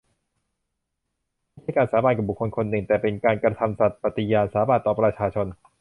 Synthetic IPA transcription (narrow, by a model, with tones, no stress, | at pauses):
a˥˩t͡ɕʰa˥˩jkaː˧nsaː˩˦ba˧nka˨˩bu˨˩kʰːo˧nkʰo˧nːɯ˨˩ŋt̪ɛː˨˩pe˧nkaː˧nkɾa˧t̪ʰa˧msa˨˩t̪̚pa˨˧˩t̪i˧jaː˧nsaː˩˦baː˨˩nt̪ːɔː˨˩pɾa˧t͡ɕʰaː˧t͡ɕʰo˧n